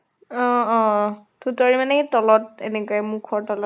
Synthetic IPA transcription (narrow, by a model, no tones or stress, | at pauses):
ɔ̃ɔ̃tʰutɔɹimanɛtɔlɔt̚ḛnɛkoɛmukʰɔɹtɔlɔ